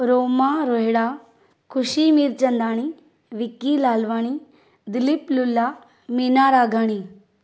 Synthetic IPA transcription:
ɾoːmaːɾoɦeɽaː | kʰʊʃimiːɾt͡ʃɐnd̪aːɽ̃i | ʋɪkilaːlʋaːɽ̃i | d̪ɪlɪplʊlːaː | miːnaːɾaːɡʱaːɽ̃iː

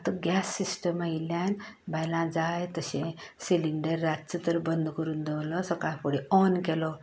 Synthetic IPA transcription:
at̪əɡjasːisʈəməiljanbʱajlãd͡zajt̪əɕẽsiliɳɖəɾːad̚t͡sət̪əɾbənd̪kəɾuːnd̪eʋlɔsəkajpoɽeɔnkɛlɔ

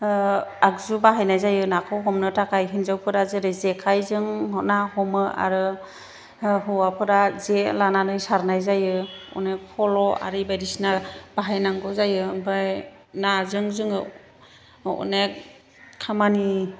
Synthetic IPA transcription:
akzubaɦajnajzajɯnakʰɔɦɔmnɯtʰakʰajɦinzawpʰɯɾazeɾezekʰajzɯŋɔnahɔmɯʔa̰ɾɯ | ɦɯwapʰɯɾazelananɯjsaɾnajzajɯɔ̰nek̚pʰɔlɔʔa̰ɾɯbajɾisnab̥aɦajnaŋɡɔzajɯbaj | nazɯŋzɯŋɯ | ɔ̰nek̚ʰː | amani

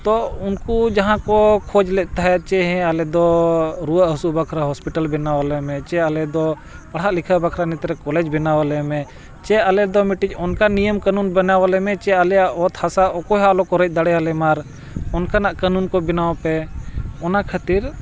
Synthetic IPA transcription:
t̪ɔʊnkud͡ʒaɦãkɔkʰod͡ʒlɛʔ̚t̪aɦɛt͡ʃɛɦɛ̃alɛd̪ɔɾuəʔɦusubəkʰɾaɦɔspiʈəlbɛnawalɛmɛ̃t͡ʃɛalɛd̪ɔ | pɐɽ̤ɦaʔlikʰabakʰɾanit̪ɾɛkɔlɛd͡ʒbɛnawalɛmɛ̃ | t͡ʃɛalɛd̪ɔmiʈicɔnkanijəmkanunbənawalɛmɛt͡ʃɛalɛjaʔɔt̪ʰhasaʔɔkɔɦalɔkɔɾɛc̚d̪əɽɛalɛmaɾ | ɔnkanaʔkanunkɔbinaɔpɛɔnakʰat̪iɾ

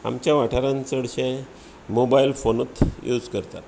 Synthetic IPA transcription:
a̰mt͡ɕjaʋaʈʰaɾãnt͡səɽɕẽ | mobailfonut̪jud͡zkəɾt̪a̰t̪

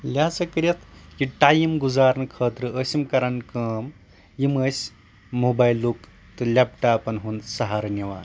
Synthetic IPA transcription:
lʲaːt͡sɐkɐɾɐt̪ʰjiʈaːjimɡuzaːɾnɨkʰɐːt̪ɾɨəsimkɐɾɐnkɐːm | jimɐsʲ | moːbaːjlːuk | t̪ɨlʲapʈaːpɐnɦunsɐɦaːɾɐniʋa̰ːn

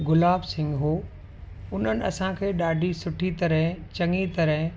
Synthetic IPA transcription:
ɡʊlaːbsɪ̃ŋɡɦoː | ʊn̤ənɪ̆ɐ̰sãkʰeːɗaːɖʱisʊʈʰit̪ɐɾəɦt͡ɕɐŋit̪ɐɾəɦ

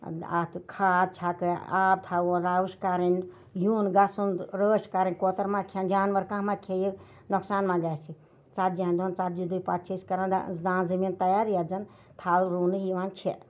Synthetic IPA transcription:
a̰t̪ʰkʰaːd̪̚t͡ʃʰakɨaːb̚t̪ʰaonɾaːʋuʃkaɾin | juːnɡɐsunɾəːʃkaɾinʲkoːt̪ɐɾmãkʰend͡ʒaːnʋɐɾkãːmakʰeji | noksaːnmãɡaːsi | t͡sat̪̚d͡ʒiɦɐnd̪uont͡sat̪̚d͡ʒid̪upat̪̚t͡ʃʰiskɐɾãnd̪̰zãːnzɐmiːnt̪ɐjaːɾijad͡zɐn | t̪ʰaːlɾuːnɨɦiʋant͡ʃʰe

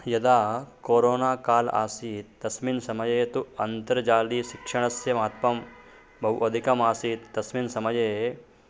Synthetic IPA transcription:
jɐd̪aːkoːɾoːnaːkaːla̰ːsiːt̪ːɐsminsɐmɐjeːt̪uɐnt̪ɐɾd͡ʒaːliːʃikʂɐɳ̃ɐsjɐmaːt̪̚pɐm | bʱɐwʔɐd̪ʱikɐmaːsiːt̪ːɐsminsɐmɐjeː

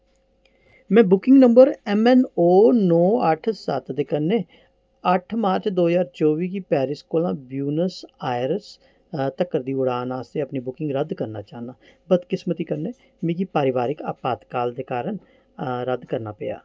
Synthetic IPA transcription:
mɛ̃ːbʊkɪ̃ŋɡnəmbəɾɛmɛnoːnɔːəʈʰsət̪d̪eːkənːeː | əʈʰmaːɾt͡ʃd̪oːɦzaːɾt͡ʃoːʋiːkiːpɛːɾɪskoːlãːbjuːnəsaːɪɾəs | t̪əkːəɾd̪iːʊɽaːnaːst̪eːəpniːbʊkɪ̃ŋɡɾəd̪kəɾna̰ːt͡ʃaːɦnaːbəd̪kɪsmət̪iːkəɾneː | mẽːkiːpaːɾɪʋaːɾɪka̰ːpaːt̪kaːld̪eːkaːɾəɳ | ɾəd̪kəɾna̰ːpeːja̰ː

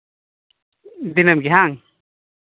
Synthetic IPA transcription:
d̪inamkiɦaŋ

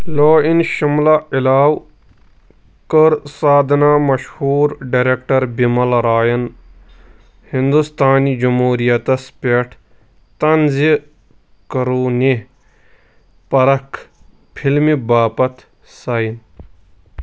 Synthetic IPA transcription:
loːinʃumlailaːw | kəɾsaːd̪ʱnaːmɐʃhuːɾɖɐɾekʈɐɾbimɐlɾaːjɐn | hind̪ust̪aːnid͡ʒumɦuːɾijɐt̪ɐspeʈʰ | t̪ɐnzi | kɐɾuːni | pɐɾɐkʰ | pʰilmibaːpɐt̪ | sain

